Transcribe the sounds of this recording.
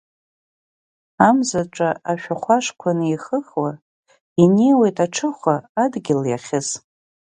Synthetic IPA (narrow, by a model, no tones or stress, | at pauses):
amzaʈ͡ʂʷʼaaʃᶣaχʷaʂkʷʰanɨiχəχwa | inejwejtʼaʈ͡ʂʰɨχʷaadɡʲɪlja̰χʲɪs